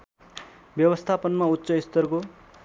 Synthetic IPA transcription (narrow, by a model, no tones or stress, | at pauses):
bjʌbʌst̪ʰapʌnmaut̪ːsʌist̪ʌrko